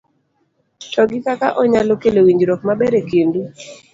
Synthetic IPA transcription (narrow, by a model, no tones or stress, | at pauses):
t͡ʃɔɡɪkakaʔɔɲalokelewiɲd͡ʒɾɔkmabɛɾekendu